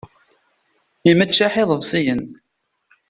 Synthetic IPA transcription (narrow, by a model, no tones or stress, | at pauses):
imət͡ʃːaħɪðˤəvsˤijən